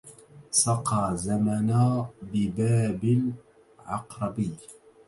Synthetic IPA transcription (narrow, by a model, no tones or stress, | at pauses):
sɑqɑːzamanaːbɪbaːbɪl | ʕɑ̰qɾˤɑbɪː